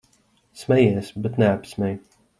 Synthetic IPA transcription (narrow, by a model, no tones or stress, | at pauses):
smɛjɛɛsbɛt̪nɛapsmʲɛj